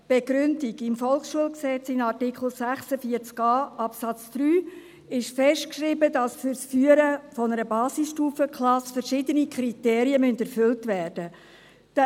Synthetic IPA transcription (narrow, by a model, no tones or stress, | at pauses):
b̥eɡ̥ɾʏndiɡɪmfɔlˠχsʃuəlksɛt͡sɪnɑrtikʰl̩ˠsæχsəfiəɾt͡skɑːʔɑpsɑt͡sd̪̥ɾyː | ɪʃfɛʃtkʃribədɑsfyɾsfyːəɾəfɔnəɾəbɑːsɪsʃtuːfəkʰlɑsfɛɾʃɪdənikʰɾiteːɾiəmyndɛɾfʏltvæːrd̥ə | d̥